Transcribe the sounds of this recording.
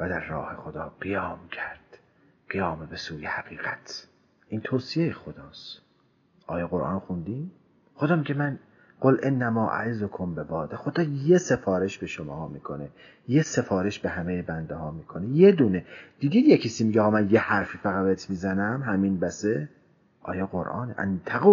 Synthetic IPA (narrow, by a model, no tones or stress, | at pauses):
væd̪æɾːɒ̰ːhe̞xod̪ɒːqijɒːmcʰæɾd̪̥ | ɢ̥ijɒːmebe̞suːjehæɡiːɣæt̪ʰ | ʔiːnt̪ʰoːsijejexod̪ɒːst̪ | ʔɒːjɑɣoɾʔɑ̰ːnxund̪iːm | χod̪ɒːmiɟʲemæn | ɢolʔenːæmɒːʔæ̰ʔezokʰombe̞bɒːd̪exod̪ɒːjese̞fɒːɾe̞ʃbe̞ʃomɒ̰ːhɒːmiːkʰo̞ne | jese̞fɒːɾe̞ʃb̥ehæme̞jebænd̪ehɒːmiːkʰonejed̪uːned̪̥iɡ̪ijecʰisiːmiːɟeɣɒːmænjehæɾfiːfæɣæbet̪ʰmiːzænæmɦæmiːnbæse | ʔɒ̰ːjɒːɢoɾʔɒ̰ːneʔæ̰nt̪ʰæɣo